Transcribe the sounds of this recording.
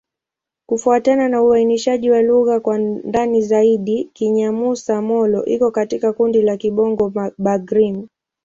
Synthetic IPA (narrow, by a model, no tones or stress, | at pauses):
kufuatananauainiʃaʄiwaluɣakwandanizaiɗikiɲamusamɔlɔʔikɔkatikakundilakiɓɔŋɡɔɓaɡɾim